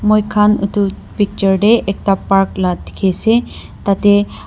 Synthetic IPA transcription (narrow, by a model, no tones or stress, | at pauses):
mojkʰanṵt̪u | pik̚t͡ʃəɾɖeʔek̚t̪apaɾklat̪i̥kʰese | t̪ɐt̪e